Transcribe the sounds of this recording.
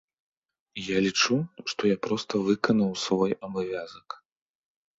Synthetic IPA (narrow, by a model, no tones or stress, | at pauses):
jalʲit͡ʂuʂt̪ɔjapɾɔst̪ɐvɨkɐnɐwsvɔjɐbavʲazɐk